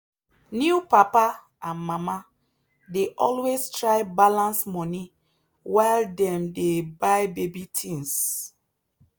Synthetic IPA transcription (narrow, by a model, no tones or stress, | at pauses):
njupapa | ãnmama | deʔɔlwestɹaɪbalãnsmɔni | waɪldɛ̃mdebaɪbebitʰĩŋs